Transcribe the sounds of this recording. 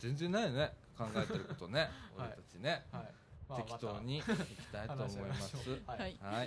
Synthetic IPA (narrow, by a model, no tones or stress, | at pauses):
zẽ̞nd͡zẽ̞nːaine̞kãŋɡaet̪eɾɯt̪o̞ne̞oɾe̞t̪at͡ɕine̞ | ekʲi̥t̪o̞ːɲ̟iikkʲi̥t̪ait̪o̞ːmo̞imasɨihai